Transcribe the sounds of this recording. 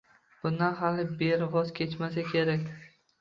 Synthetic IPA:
b̥ʊnd̪anhalɪbeɾvɒzkʲʰe̞t͡ʃmas̬akʲʰe̞ɾakʲd̪ɪ

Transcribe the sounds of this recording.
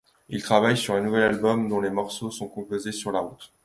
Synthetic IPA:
ilt̪χavajsyʁɛ̃nuvɛlalbɔmd̪ɔ̃lemɔʁsosɔ̃kɔ̃pozesyʁlaʁut̪

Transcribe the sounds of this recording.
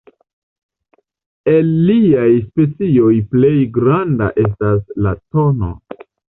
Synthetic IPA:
e̞lːiajspe̞t͡sio̞jple̞jɡɾanda̰ʔe̞s̬taslato̞no̞̰

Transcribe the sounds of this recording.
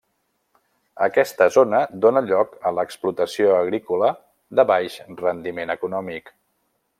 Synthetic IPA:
ə̰kɛst̪əzonəd̪onəʎɔkələksplut̪əsioəɣɾikulə | d̪əβajʃrənd̪imenəkunɔmik

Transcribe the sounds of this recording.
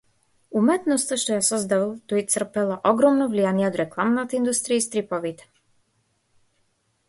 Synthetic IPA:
umɛt̪nɔst̪aʃt̪ɔjasɔzd̪avalˠt̪ɔit̪sr̩pɛlˠaʔɔɡɾɔmnɔvlijanijɛod̪ɾɛklˠamnat̪aind̪ust̪ɾijaist̪ɾipɔvit̪ɛ̥

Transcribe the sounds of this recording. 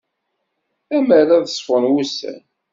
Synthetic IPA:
æməɾaðəsˤfənwusæ̰n

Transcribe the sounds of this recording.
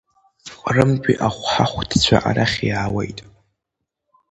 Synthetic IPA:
qʼrɨmkʷʼiʔaχʷħaχʷtʰt͡ɕʷʰa̰ʔa̰ɾaχʲjaːwejtʼ

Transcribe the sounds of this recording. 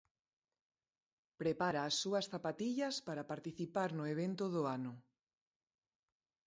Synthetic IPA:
pɾepaɾaːsːuɐsθapat̪iʎɐspaɾapaɾt̪iθipaɾnʊeβ̞ent̪ʊðʊanʊ

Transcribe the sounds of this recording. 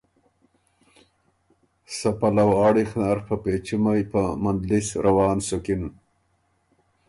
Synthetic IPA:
sapalawaːɽixnaɾpapet͡ʃimajpamand̪lisɾʔawɑːnsukɪn

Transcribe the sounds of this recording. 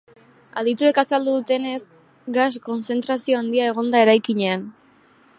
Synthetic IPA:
aðit̪ue̞kasald̪uðut̪e̞ne̞s | ɡasko̞nse̞nt̪ɾasio̞and̪iaeɣ̞o̞nd̪ae̞ɾajkiɲe̞an

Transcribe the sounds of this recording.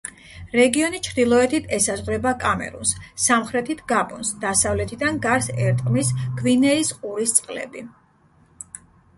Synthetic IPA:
ɾɛɡiɔnit͡ʃʰɾd̪ilˠɔɛt̪ʰit̪ʰɛsazʁɾɛbakʼamɛ̰ɾṵnsːamχɾɛt̪ʰit̪ʰɡabʼɔnsd̪̥asavlɛt̪ʰid̪anɡaɾsɛɾt̪ʼqʼmisɡ̥vinɛisqʼuɾist̪sʼqʼlɛ̰bi

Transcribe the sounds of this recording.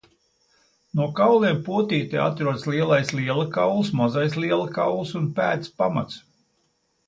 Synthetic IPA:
nuɔkawlˠiɛmpuɔt̪iːt̪ɛ̰ja̰t̪ɾuɔd̪slʲˠiɛlˠajsliɛlˠɨkawlˠsmazajsliɛlˠɨka̰wlˠsunpæːt̪spama̰t̪s

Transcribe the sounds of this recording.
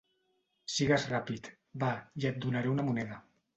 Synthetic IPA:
siɣazrapit̪ | baiat̪̚d̪unaɾeunamunɛða

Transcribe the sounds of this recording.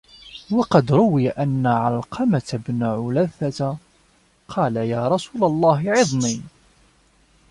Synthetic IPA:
wɑqɑd̪ɾˤʊwɪjaʔanːaʕɑlqʰɑmat̪abnʕʊlæθːat̪ | qʰɑːlajaːɾˤɑsuːlɑlˤːɑːɦɪʕɪðˤni

